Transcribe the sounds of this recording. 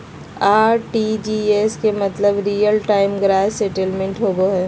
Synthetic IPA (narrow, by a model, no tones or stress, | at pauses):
aːɾʈid͡ʒieskemɐt̪ləbɾiːjəlʈaːɪmɡɾaːseʈelmẽɳʈɦoːɡoɦɛː